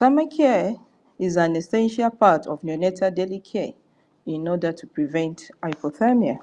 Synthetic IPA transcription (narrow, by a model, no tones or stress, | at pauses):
samakʰɛ | izãnɛsɛ̃nʃalpʰatʰɔvnjɔnɛtʰadɛlikʰɛ | ĩnɔdətʰupɹivɛ̃ntaɪfoθamia